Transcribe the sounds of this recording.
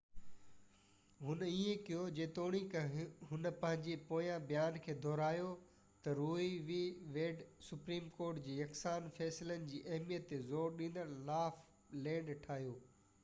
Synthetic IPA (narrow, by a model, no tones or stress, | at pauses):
ɦʊnəiẽkijod͡ʑeːt̪oːɽ̃ikɦʊnəpɐ̃ɦɪ̃ɲd͡ʑepoːjãbijaːnkʰeːd̪ʱɔːɾaːjo | t̪ɐɾuːiʋiʋeːɖsʊpɾiːmkoːɾʈd͡ʑiːjɐksaːnfɛːsɪlənɪ̆d͡ʑiːʔɐɦmijət̪ːezoːɾɗĩːnd̪əɾlaːf | lẽːɳʈʰaːɦijoː